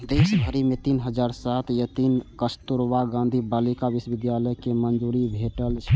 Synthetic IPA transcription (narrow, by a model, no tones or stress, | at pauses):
d̪esbʱəɾimet̪inɦəd͡ʒaɾsat̪jət̪inkəst̪uɾʋaɡãnd̪ʱibalikaʋisʋid̪jaləjkemənd͡ʒuɾibʱeʈəlt͡ʃʰ